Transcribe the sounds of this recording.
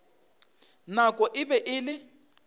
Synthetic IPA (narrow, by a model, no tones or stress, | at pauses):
nakʼɔʔɪbɛʔɪlɪ